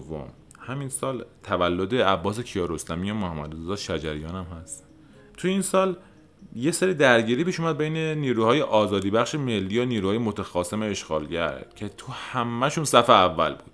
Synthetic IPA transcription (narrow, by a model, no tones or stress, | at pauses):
vːo̰m | hæminsɒːlt̪ʰævælːod̪e̞æbːɒːs̬e̞cʰijɒːɾost̪æmiːjomohæmːæ̰d̪ozzɒːd̪ʃæd͡ʒæɾijɒːnæmhæst̪ | t̪ʰujiːnsɒːl | jecseɾiːd̪æɾɟiːɾiːpiːʃuːmæd̪̚bejne̞niːɾuːhɒːje̞ʔɒːzɒːd̪iːbæxʃeme̞lːiːjoniːɾuhɒːjemot̪ʰæxɒːse̞meeʃɡɒːlɟæ̰ɾcʰe̞t̪ʰuhæmːæʃuːnsæfeævːæ̰lbuːd̪̥